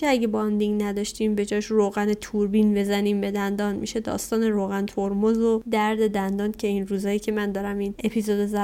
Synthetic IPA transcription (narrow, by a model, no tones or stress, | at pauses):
eæɟe̞bɒnd̪iŋɡnæd̪ɒʃt̪iːmbe̞d͡ʒɒːʃroːɣænet̪ʰuɾbinbe̞zæniːmbe̞d̪ænd̪ɒːnmiʃe̞d̪ɒ̰ːst̪ɒːneɾoːɣænt̪ʰoɾmozod̪æɾd̪e̞d̪ænd̪ɒːncʲʰe̞iːnruːzɒːjiːcʰe̞mænd̪ɒːɾæmiːne̞pʰizod̪ezæ